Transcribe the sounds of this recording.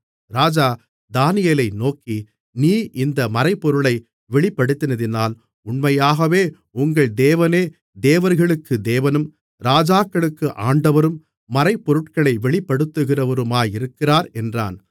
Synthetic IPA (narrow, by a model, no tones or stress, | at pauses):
ɾaːd͡ʒaː | d̪aːnɪjelɐɪnoːkːi | niːʔɪnd̪ɐmɐɾɐɪpːɔɾɯɭɐɪ | ʋɛɭɪpːɐɽɯt̪ːɪnɐðɪnaːl | ʊɳmɐjaːɣɐʋeː | ʊŋɡɐɭd̪eːʋɐneː | d̪eːʋɐɾɣɐɭɯkːɯd̪eːʋɐnɯm | ɾaːd͡ʒaːkːɐɭɯkːɯʔaːɳɖɐʋɐɾɯmː | ɐɾɐɪpːɔɾɯʈkɐɭɐɪʋɛɭɪpːɐɽɯt̪ːɯɣɪrɐʋɐɾɯmaːjɪɾɯkːɪraːɾɛndra̰ːn